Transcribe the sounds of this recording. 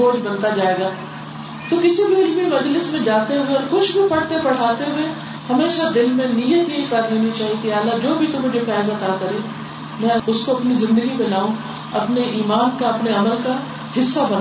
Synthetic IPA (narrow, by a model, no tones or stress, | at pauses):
oːd͡ʒbɐ̃nt̪ad͡ʒaːeːɡaː | t̪okɪsibʱiɪlbmimɐd͡ʒlɪsmẽd͡ʒaːt̪eɦʊweɔːɾxʊt͡ʃʰbʱipɐɽ̤t̪epɐɽ̤aːt̪eɦʊwe | hɐmeːʃad̪ɪlmẽnijət̪jeikɐɾneːnit͡ʃaːɦiekialːad͡ʒoːbʱit̪ʊ̃mːʊd͡ʒʱefɛːzat̪aːkɐɾe | mɛ̃ʊskoɐpnizɪ̃nd̪əɡipẽlaːũ | ɐpneʔiːmaːnkaɐpneɐməlka | hɪsːabɐna